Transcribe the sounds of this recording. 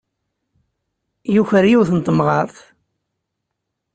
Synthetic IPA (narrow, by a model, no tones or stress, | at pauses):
juçəɾjuwθənt̪ˤːəmʁɑɾˤθ